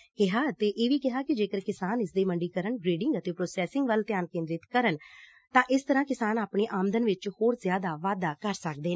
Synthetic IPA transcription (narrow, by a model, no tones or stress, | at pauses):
kɪɦaːt̪eːʔeːʋiːkɪɦaːkɪd͡ʒeːkəɾkɪsaːnɪsd̪eːməɳɖiːkəɾəɳɡɾeːɖɪŋɡət̪eːpɾoːsɛːsɪŋɡʋəlt̪jaːnkẽːnd̪ɾɪt̪kəɾən | t̪ãːʔɪst̪əɾãːkɪsaːnaːpɳeːʔaːmd̪ənʋɪt͡ʃhoːɾzɪjaːd̪aːʋaːd̪aːkəɾsək̚d̪eː